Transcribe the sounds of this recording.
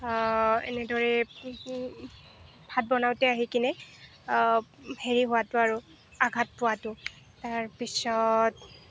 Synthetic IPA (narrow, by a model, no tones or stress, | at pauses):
ɛ̰nɛdɔɹɛ | bʱat̚bɔnawtɛaɦikinɛ | heɹiɦʊwatʊaɹu | aɡʱat̚pʊwatʊ | taɹpisɔt